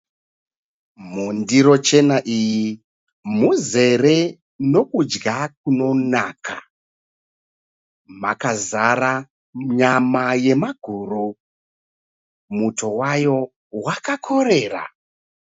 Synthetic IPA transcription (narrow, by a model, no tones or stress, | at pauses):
mundiɾo̞t͡ʃe̞naʔiji | muze̞re̞ | no̞kud͡ʒɡak̚uno̞nakʰa̰ | makazara | ɲamaje̞maɡʱuru | muto̞wajo̞ | wakakʰo̞re̞ːra̰